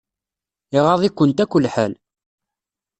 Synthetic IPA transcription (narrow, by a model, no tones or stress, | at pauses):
ɪʁɑðˤikʷːənt̪ækʷːəlːħæl